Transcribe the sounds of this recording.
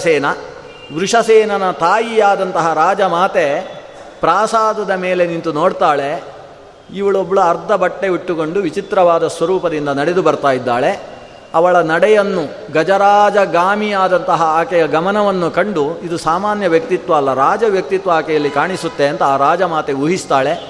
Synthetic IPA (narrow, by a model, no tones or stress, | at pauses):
sɛːnɐ | ʋɾuʂɐsɛːnɐnɐt̪aːjijaːd̪ɐnt̪ɐɦɐɾaːd͡ʒɐmaːt̪e̞ | pɾaːsaːd̪ɐd̪ɐmeːle̞nint̪unoːɽt̪aːɭe̞ | iʋɐɭobːɐɭuɐɾt̪ːɐbɐʈːe̞ʋiʈːuko̞ɳɖuʋit͡ʃit̪ɾɐʋaːd̪ɐsʋɐɾuːpɐd̪ind̪ɐnɐɽed̪ubɐɾt̪aːjid̪ːaːɭe̞ | ɐʋɐɭɐnɐɽɛjɐnːu | ɡɐd͡ʒɐɾaːd͡ʒɐɡaːmijaːd̪ɐnt̪ɐɦɐaːkɛjɐɡɐmɐnɐʋɐnːukɐɳɖuid̪usaːmaːnjɐʋjɐk̚t̪it̪ʋɐːlːɐɾaːd͡ʒɐʋjɐk̚t̪it̪ʋɐaːkɛjɐlːikaːɳisut̪ːe̞ɐnt̪ɐaːɾaːd͡ʒɐmaːt̪e̞uɦist̪aːɭe̞